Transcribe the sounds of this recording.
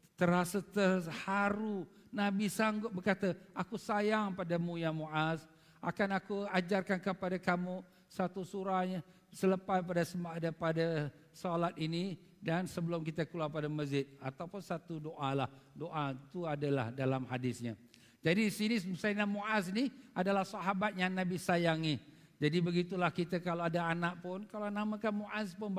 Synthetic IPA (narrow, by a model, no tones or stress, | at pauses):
t̪əɾasət̪əhaɾu | nãbisaŋɡʊt̪̚bərkat̪əʔakusajaŋpadamũjamuʔas | a̰kanakuad͡ʒarkankəpadakamu | sat̪usuɾahɲa | sələpajpadasəmaʔdapada | sɔlat̪̚ini | dansəbəlʊmk̬it̪akularpadaməzɪt̪̚at̪awpʊnsat̪udoʔalahdoʔat̪uadala̰hdalamhadɪsɲa | d͡ʒadidisinisməsaamoʔas̬iniadalahsaɦabat̪̚jaŋnãbisajaŋi | d͡ʒadibəɡit̪ulahkit̪əkalaadaanaʔ̚pʊnkalanamãkanmoʔaspʊn